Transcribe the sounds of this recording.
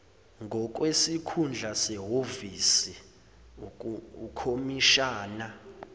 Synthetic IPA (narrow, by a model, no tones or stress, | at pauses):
ŋɡʱɔk̬ʼwesikʰund͡ɮʱasɛɦovisi | ukʰomiʃaːna